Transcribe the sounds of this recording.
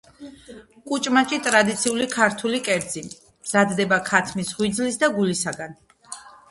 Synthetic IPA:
kʼut͡ʃʼmat͡ʃʼit̪ʼɾad̪it̪sʰiulikʰaɾt̪ʰulikʼɛɾd̪zi | mz̥ad̪d̪ɛbakʰat̪ʰmisʁwid̪zlisd̪aɡulisaɡan

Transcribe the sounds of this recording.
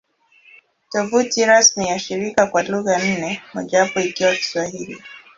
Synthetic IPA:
tɔvutiɾasmijaʃiɾikakwaluɣan̩nɛmɔʄapɔikiwaki̥swahili

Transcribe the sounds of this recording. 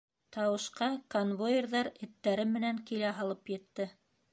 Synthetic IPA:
t̪ɑwɤ̆ʃqɑkonvojerðɑɾɘ̆t̪ːæɾɘmːɘ̆næŋkilæɦɑlˠɤpjɘ̆t̪ːɘ

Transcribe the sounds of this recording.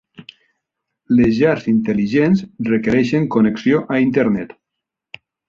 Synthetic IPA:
lezʒaɾzint̪eliʒensrekeɾɛʃeŋkoneksioʔaint̪eɾnɛt̪

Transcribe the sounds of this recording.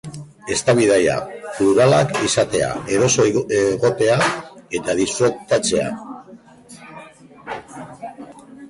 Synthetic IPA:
e̞st̪aβiðaja̰fluɾalakisat̪e̞a̰e̞ɾo̞so̞eɣo̞t̪e̞ae̞t̪aðisfɾolt̪at͡se̞a̰

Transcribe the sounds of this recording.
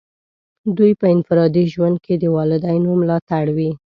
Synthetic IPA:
d̪ujpəɪnfɪɾɑd̪iʒwand̪̚ked̪əwɑlɪd̪ajnomlɑt̪aɽwi

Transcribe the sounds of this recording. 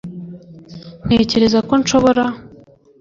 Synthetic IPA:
n̥e̞ːce̞ɾe̞zako̞nʃo̞βo̞ɾa

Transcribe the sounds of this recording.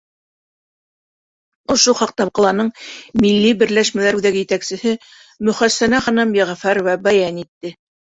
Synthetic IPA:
ŏʃoχɑq̚t̪ɑp̚qɑ̆lˠɑnɤɴmilːibɘ̆ɾlæʃmælæɾʉðæɡɘ̆jɘ̆t̪æksɘ̆hɘ | mɵ̆χæsːænæχɑ̆nɑmjæʁæfæɾwæbæjænit̪ːɘ

